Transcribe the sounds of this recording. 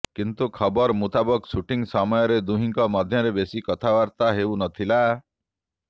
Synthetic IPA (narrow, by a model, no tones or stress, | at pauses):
kint̪ukʰɔbɔɾmut̪abɔksuʈiŋsɔmɔjɔɾed̪uɦiŋkɔmɔd̪ʱjɔɾebesikɔt̪ʰawaɾt̪aɦewnɔt̪ʰila